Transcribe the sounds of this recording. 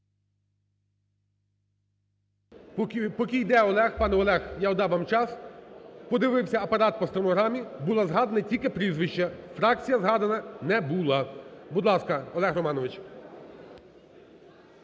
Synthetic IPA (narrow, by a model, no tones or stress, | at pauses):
pɔkʲijd̪ɛɔlˠɛxpɑnɛɔlˠɛxjaɔd̪ɑʋɑmt͡ʃɑspɔd̪ɪʋɪwsʲɐɐpɐɾɑt̪̚pɔst̪ɾɔmɔɦɾɑmʲibulˠɑzɦɑd̪enɐtʲilʲkɪpɾʲizʋɪʃt͡ʃɐfɾɑk̚t͡sʲijɐzɦɑd̪ɐnɐnɛbulˠɑbud̪lˠɑskɐɔlˠɛɣrɔmɑnɔʋɪt͡ʃ